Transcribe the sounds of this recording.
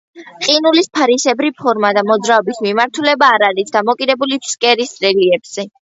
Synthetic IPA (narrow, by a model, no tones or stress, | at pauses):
qʼinulispʰaɾisɛbɾipʰɔɾmad̪amɔd̪zɾaɔbismimaɾt̪ʰulɛbaːɾaɾisd̪amɔkʼid̪ɛbulipskʼɛɾisɾɛliɛbz̥ɛ